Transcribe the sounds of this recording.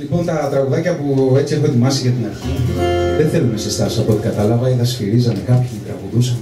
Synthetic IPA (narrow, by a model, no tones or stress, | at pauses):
lipo̞nt̪ɐt̪ɾɐɣuðɐcɐpue̞t͡sie̞xoe̞t̪imɐsiʝɐt̪inɐɾçiðeθe̞lumesist̪ɐsɐpoot̪i̥kɐt̪ɐlɐvɐiðɐsciɾizɐnekɐpçit̪ɾɐɣuðusɐn